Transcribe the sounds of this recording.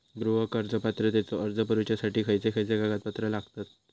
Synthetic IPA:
ɡɾuʋəkəɾd͡zəpat̪ɾət̪jat͡sɔəɾd͡zəpəɾut͡ɕjasaʈiːkʰəjt͡sekʰəjt͡seɡaɡat̪̚pat̪ɾəlaɡt̪at̪̚

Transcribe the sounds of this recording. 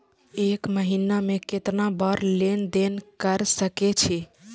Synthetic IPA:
ekməɦinameket̪nabəɾlend̪enkəɾsəket͡ʃʰi

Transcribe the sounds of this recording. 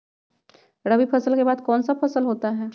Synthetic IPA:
ɾɐbipʰɐsəlkebaːd̪kɔːnsapʰɐsəlɦoːt̪aɦɛː

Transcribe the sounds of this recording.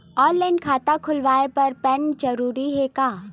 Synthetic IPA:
ɔːlɛ̃ːnɖkʰaːt̪akʰʊlʋaːepɐɾpɛ̃ːnd͡ʒɐɾuːɾiɦɛkaː

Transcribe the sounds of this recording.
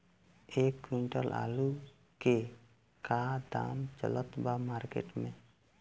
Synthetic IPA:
ekːwiɳʈəɾlʔa̰lu | ke | kad̪a̰mt͡ʃə̰lɔt̪bamaɾkḛʈmẽ

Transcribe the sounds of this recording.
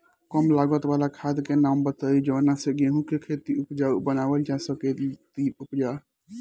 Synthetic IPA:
kəmlaɡət̪balakʰad̪kenambət̪əid͡ʒənaseɡeɦũkekʰet̪iupd͡ʒabənabəld͡ʒasəket̪iupd͡ʒa

